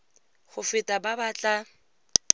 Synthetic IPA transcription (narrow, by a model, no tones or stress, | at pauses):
χʊfɪtʼababaːt͡ɬʼa